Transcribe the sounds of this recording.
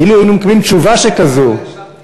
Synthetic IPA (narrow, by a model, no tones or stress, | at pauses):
iluajinumekabimt͡ʃuvaʃekazo